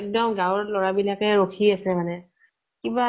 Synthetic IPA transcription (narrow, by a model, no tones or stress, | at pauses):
k̚dɔmɡãwɹɔtlɔɹabilakɛɹokʰiasɛmanɛ | kiba